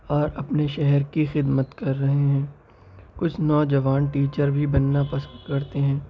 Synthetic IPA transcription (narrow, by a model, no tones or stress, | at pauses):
ɔːɾɐpneʃɛɦɛɾkixɪd̪mət̪kɐɾːɐɦeɦɛ̃ː | kʊt͡ʃʰnɔːd͡ʒɐʋaːnʈiːt͡ʃəɾbʱibɐnːapɐsə̃nd̪kɐɾt̪eɦɛ̃ː